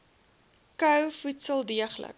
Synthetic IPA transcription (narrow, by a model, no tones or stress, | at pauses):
kœwfutsəlˠdiəχlə̰k̚